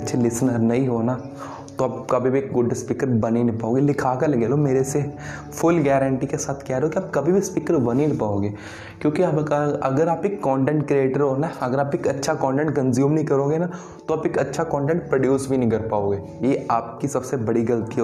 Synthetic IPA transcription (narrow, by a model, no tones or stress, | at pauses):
ɐtːʃʰelɪsnəɾnɐɦĩɦoːna | t̪oaːpkɐbʱibʱieːk̚ɡʊɖspiːkəɾbɐninɪpaːoːɡelɪkʰaːkɐɾlɐɡeːlomeːɾese | fʰʊlɡɛːɾəɳʈikesaːt̪ʰkɛɾeokiaːp̚kɐbʱibʱispiːkəɾbɐninɪpaːoːɡeː | kjõːkiɐɡəɾaːpeːkːɔːɳʈɛ̃ːɳʈkɾieːʈəɾɦoːnaɐɡəɾaːpeːkɐtːʃʰakɔ̃ːɳʈɛ̃ɳʈ̚kɐ̃nzjuːmnɐɦĩkɐɾoːɡena | t̪oaːpeːkɐtːʃʰakɔ̃ːɳʈẽːɳʈ̚pɾɐɖjuːsbʱinĩkəɾpaːoːɡeː | jeːaːp̚kisɐbsebɐɽiɡɐlət̪i